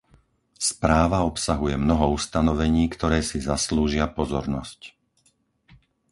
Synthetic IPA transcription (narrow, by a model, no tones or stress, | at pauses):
spɾaːʋaɔpsaɦujɛmnɔɦɔust̪anɔʋɛɲiːkt̪ɔɾɛːsizasluːʒɪapɔzɔɾnɔsc